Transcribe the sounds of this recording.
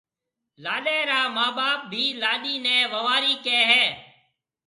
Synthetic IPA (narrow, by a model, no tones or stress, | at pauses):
laːɗeːɾaːmaːɓaːp̚bʱiːlaːɗiːnẽːʋəʋaːɾiːkeːɦɛː